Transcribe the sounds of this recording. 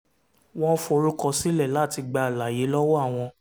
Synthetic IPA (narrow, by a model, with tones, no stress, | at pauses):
w̃ɔ̃˦fo˧ɾũ˦kɔ˦˧si˦lɛ˦˨la˦˨ti˧ɡ͡ba˧˨la˨je˨˦lɔ˦wɔ˦a˦˨w̃ɔ̃˧